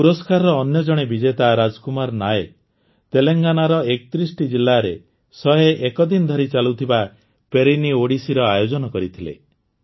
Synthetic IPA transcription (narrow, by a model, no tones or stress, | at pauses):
puɾɔskaɾɔɾɔːnjɔd͡ʒɔɽ̃ebid͡ʒet̪aɾad͡ʒkumaɾnae | t̪eleŋɡanaɾɔekt̪ɾisʈid͡ʒilːaɾe | sɔɦeʔekɔd̪inɔd̪ʱɔɾit͡ʃalut̪ʰiba | peɾinioɽisiɾɔajod͡ʒɔnɔkɔɾit̪ʰilḛ